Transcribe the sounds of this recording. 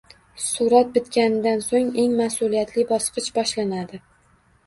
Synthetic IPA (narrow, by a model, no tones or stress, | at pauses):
suɾɒt̪̚bɪt̪kʲanɪd̪ansoŋe̞ŋmasʊlijat̪lɪbɒsqɨt͡ʃbɒʃlanad̪ɪ